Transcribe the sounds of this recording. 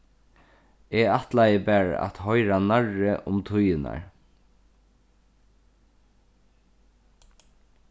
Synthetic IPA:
ɛːat̪lajəbɛːɹ̰a̰t̪hɔjɾanaɹəʔʊmt̪ʰʊjɪna̰ɹ

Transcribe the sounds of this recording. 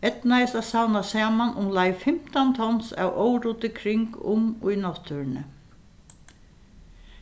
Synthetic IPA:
ɛt̪naɪst̪asawnasaːmanʔʊmlajfɪm̥t̪ant̪ʰɔnsa̰wʔoːwɾuːt̪ɪkʰɾɪŋkʊ̰mʊ̰jnɔht̪ʰʏɹnɪ

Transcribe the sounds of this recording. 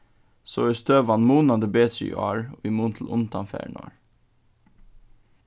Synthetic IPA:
soːɛst̪øːʋɑnmuːnɑd̪əbeːt̪ɾɪ̰ɑ̰ɹoːiːmuːnt̪ʰl̩ʔʊ̰nt̪ɑnfæ̰ɳɑ̰ɹ

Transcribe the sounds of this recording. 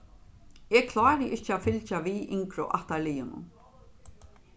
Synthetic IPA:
ɛkʰlɔːɾɪʔɪhcːɪafɪlt͡ʃaʋiʔɪŋkɾʊ̰ʔaht̪alɪjʊnʊ̰m

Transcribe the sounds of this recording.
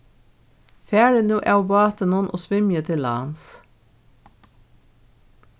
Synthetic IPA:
fæːɹənʉːʔæwbɑːt̪ənunʔo̰ːsʋɪmjət̪ʰɪlɑ̰ːns

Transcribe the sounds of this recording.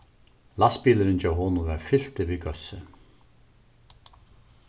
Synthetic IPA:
laspiːlɪɾɪnt͡ɕaːwɦɔnʊvɛɾfɪl̥t̪ɪvikœsɪ

